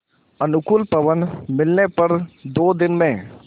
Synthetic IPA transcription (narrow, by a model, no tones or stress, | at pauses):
ɐnʊkʊlpɐʋənmɪlnepɐɾd̪oːd̪ɪnmẽ